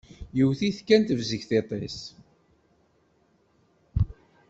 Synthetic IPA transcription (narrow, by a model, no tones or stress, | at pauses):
jəwθiθkːænt̪əvzəçθet̪ˤes